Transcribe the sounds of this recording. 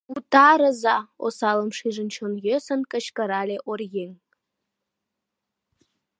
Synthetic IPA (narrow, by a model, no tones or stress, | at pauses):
utʰʼaɾəzao̰salɨmʂiʐɨnt͡ʃʰonɡʲɪsankʼɐʃkʼɐɾalʲeʔorjeŋ